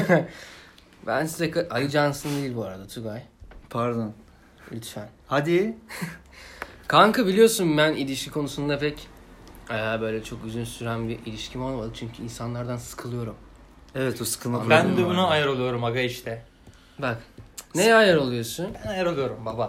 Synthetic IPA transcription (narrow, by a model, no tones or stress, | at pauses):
bæ̰nsizɛkaʔajʲɯd͡ʒansɯnd̪ejilʲbuaɾad̪at̪ʰuɡajpʰaɾd̪on | y̰lʲt̪ʰfænhad̪i | kʰaŋkɯbilʲijo̞sunbænilʲiʃcʰʲikʰo̞nusund̪apʰɛc | ɛbø̞jlʲɛt͡ʃʰo̞kyzynsyɾæmbiʔilʲiʃcʰimo̞lˠamad̪ɯt͡ʃʰyɲcʰyinsanlˠaɾd̪ansɯ̥kʰɯlˠɯjo̞ɾum | evɛt̪osɯ̥kʰɯlˠmabænd̪ubunaajaɾo̞lˠujo̞ɾumaɡaiʃt̪ʰɛ | bakneɛajaɾo̞lˠujo̞sunbænajaɾolˠujoɾumbaba